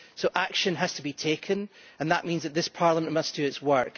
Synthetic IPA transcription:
soʔakʃə̃nəz̥tʰəbitʰekʰə̃nə̃nðəʔmĩnzðəʔ̚ðɪspʰaɹlˠəmə̃nmʌsd̥əɪtswɜ˞k

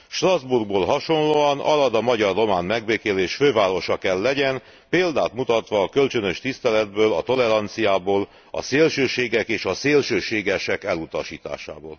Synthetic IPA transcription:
ʃt̪rɒzburɡ̚boːlɦɒʃo̞nloːɒnɒ̰lɒd̪ɒmɒɟɒrːo̞maːnmɛɡbeːkeːleːʃføːvaːɾo̞ʃɒkɛlːɛɟɛn | peːld̪aːt̪mut̪ɒt̪ʋɒːkølt͡ʃønø̞ʃt̪ist̪ɛlɛd̪bøːlɒt̪olɛɾɒnt̪sijaːboːl | ɒ̰seːlʃøːʃeːɡɛkeːʃɒseːlʃøːʃeːɡɛʃɛkɛlut̪ɒʃḭːt̪a̰ːʃa̰ːbo̰ːl

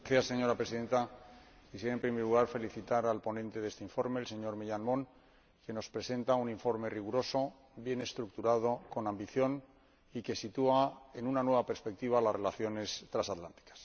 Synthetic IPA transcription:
θjasːe̞ɲo̞ɾapɾe̞siðe̞nt̪akis̬jeɾempɾimeɾluɣaɾfe̞liθit̪aɾalpo̞nẽ̞nt̪e̞ðe̞st̪eiɱfo̞ɾme̞ːlse̞ɲo̞ɾmiʎanmõ̞ŋ | ke̞no̞spɾe̞se̞nt̪auniɱfo̞ɾme̞riɣ̞uɾo̞so̞ | bje̞ne̞st̪ɾuk̚t̪uɾað̞o̞ko̞nãmbiθjo̞n | ike̞sit̪uae̞nunanwe̞βape̞ɾspe̞k̚t̪iβ̞alazre̞laθjo̞ne̞st̪ɾasat̪lant̪i̥kḁs

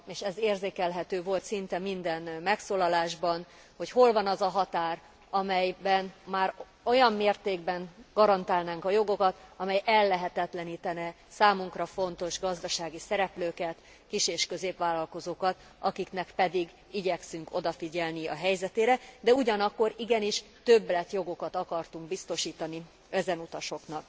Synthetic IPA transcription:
eːʃɛzeːrzeːkɛlɦɛt̪øːvo̞lt̪sint̪ɛmind̪ɛnmɛksoːlɒlaːʒbɒn | ho̞cho̞lvɒnɒzɒɦɒt̪aːr | ɒmɛjbɛnmaːr | ojɒmːeːrt̪eːɡbɛŋɡ̥ɒɾɒnt̪aːlnaːŋkɒjo̞ɡo̞kɒt̪ɒmɛjɛlːɛɦɛt̪ɛt̪lɛniːt̪ɛnɛ | saːmuŋkrɒfo̞nt̪o̞ʒɡɒzd̪ɒʃaːɡisɛɾɛpløːkɛt̪ | kiʃeːʃkø̞zeːpʋaːlːɒlko̞zoːkɒt̪ | ɒkiknɛkpɛd̪iɡ | iɟɛksyŋko̞d̪ɒfiɟɛlniɒ̰ɦɛjzɛt̪eːɾɛd̪ɛuɟɒnɒkːo̞ɾiɡɛniʃ | t̪øblɛt̪jo̞ɡo̞kɒt̪ɒkɒrt̪uŋɡ̚bist̪o̞ʃiːt̪ɒni | ɛzɛnut̪ɒʃo̞knɒk

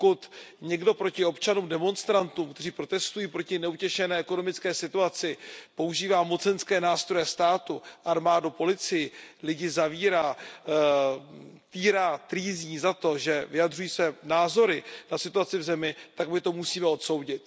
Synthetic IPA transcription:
kʊt̪ɲɛɡdo̞pɾo̞cɪo̞pt͡ʃanuːmdɛmo̞nst̪ɾant̪uːmkt̪ɛr̝iːpɾo̞t̪ɛst̪ujiːpɾo̞cɪnɛucɛʃɛnɛːɛko̞no̞mɪt͡skɛːsɪt̪uat͡sɪpouʒiːvaːmo̞t͡sɛnskɛːnaːst̪ɾo̞jɛst̪aːt̪uʔaɾmaːdupo̞lɪt͡sɪjɪlɪɟɪzaviːɾaː | t̪iːɾaːt̪ɾiːzɲiːzat̪o̞ʒɛvɪjadrujiːsvɛːnaːzo̞ɾɪnasɪt̪uat͡sɪvzɛmɪt̪aɡmɪt̪o̞musiːmɛo̞t̪so̞wɟɪt̪̚

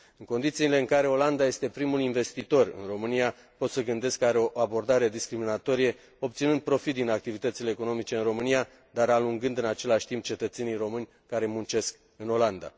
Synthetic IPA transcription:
ɨŋko̞nd̪it̪siːle̞ɨŋkaɾe̞o̞land̪aje̞st̪e̞pɾimulinve̞st̪it̪o̞rɨ̰nro̞mɨnija | po̞t̪səɡɨnd̪e̞skːəaɾeo̞ʔabo̞rd̪aɾe̞d̪iskɾiminat̪o̞ɾije̞ | o̞p̚t̪sinɨnd̪̚pɾo̞fit̪d̪inak̚t̪ivit̪ət̪sile̞ːko̞no̞mit͡ʃe̞ɨnro̞mɨnija | d̪aɾaluŋɡɨnd̪ɨnat͡ʃe̞laʃʲt̪imp̚t͡ʃe̞t̪ət̪se̞nijro̞mɨnʲ | kaɾe̞munt͡ʃe̞sk | ɨno̞land̪a̰

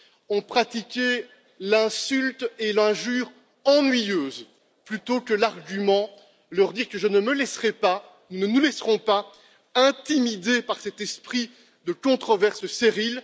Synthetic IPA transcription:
ɔ̃pχat̪ikʲe | lɛ̃sylt̪elɛ̃ʒyːʁ | ɑ̃nɥijøːz | plyt̪okəlaʁɡʲymɑ̃ | lœʁd̪iʁkəʒənəməlɛsʁɛpa | nunənulɛsʁɔ̃pa | ɛ̃t̪imid̪epaʁsɛt̪ɛspχi | d̪əkɔ̃t̪χɔvɛʁsəseʁil

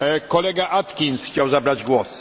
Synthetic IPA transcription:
kɔlɛɡaʔat̪kʲinsxt͡ɕawzabɾad͡ʑɡwɔs

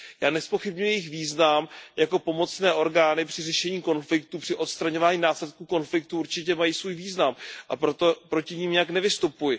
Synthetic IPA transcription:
jaːnɛspo̞xɪbɲujɛjɪxviːznamjako̞po̞mo̞t͡snɛːʔo̞ɾɡaːnɪpr̝̥ɪrɛʃɛɲiːko̞nflɪkt̪upr̥ɪʔo̞t̪st̪ɾaɲo̞vaːɲiːnaːslɛt̪̚kuːko̞nflɪk̚t̪uuɾt͡ʃɪcɛmajiːsvuːjviːznamʔa̰pɾot̪opɾo̞cɪɲiːmɲɛjaknɛvɪst̪upujɪ

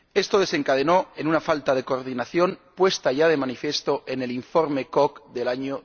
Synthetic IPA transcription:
e̞st̪o̞ð̞e̞se̞ŋkað̞e̞noe̞nunafalt̪að̞e̞koɾð̞inaθjo̞npwe̞st̪aʝað̞e̞manifje̞st̪oʔe̞neliɱfo̞ɾme̞kokd̪e̞laɲo

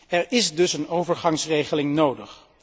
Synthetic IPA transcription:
ɛɹɪsdɵsənowvəɹχɑŋsrejχəlɪŋnowdəχ

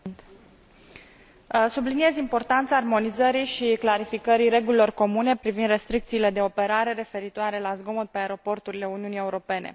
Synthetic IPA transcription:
t̪ | sublinie̞zimpo̞rt̪ant̪saːrmo̞nizəɾijʃiklaɾifikəɾiɾe̞ɡulilo̞rko̞mune̞pɾivind̪re̞st̪ɾik̚t̪siːle̞d̪e̞o̞pe̞ɾaɾe̞ɾe̞fe̞ɾit̪oaɾe̞lazɡo̞mut̪̚peaeɾo̞po̞rt̪uɾile̞uniunije̞uɾo̞pe̞ne̞̰

